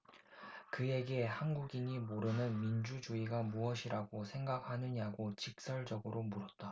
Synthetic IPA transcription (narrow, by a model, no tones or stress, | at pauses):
kɯe̞ɡe̞hanɡuɡiɲimoɾɯnɯnmind͡ʑud͡ʑuiɡamuʌɕʰiɾʔaɡosʰe̞ŋɡak̚hanɯɲaɡot͡ɕik̚s͈ʌɭd͡ʑʌɡɯɾomuɾʌt̚t͈a